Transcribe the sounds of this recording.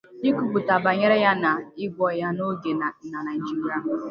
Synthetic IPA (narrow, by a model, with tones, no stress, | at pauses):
i˦ku˨ɡ͡bu˨ta˨ba˨ɲe˦ɾe˦ja˦na˨ɪ˦ɡʷɔ˨ja˦no˦ɡe˨n˨na˨na˨n̩˦d͡ʒi˦m̩˦ɾa˦